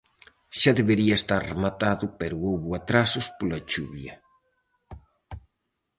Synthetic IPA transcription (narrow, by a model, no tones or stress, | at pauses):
ʃaðeβeɾiɐest̪aɾremat̪aðʊpeɾʊowβʊat̪ɾasʊspolat͡ʃuβjɐ